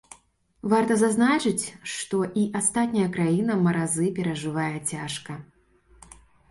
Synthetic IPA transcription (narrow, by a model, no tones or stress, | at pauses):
vart̪ɐzaznat͡ʂɨt͡sʲʂt̪ɔʔiʔast̪at̪ʲnʲɐjɐkɾajin̪ɐmɐɾazɨpʲɛɾɐʐɨvajɛt͡sʲaʂkɐ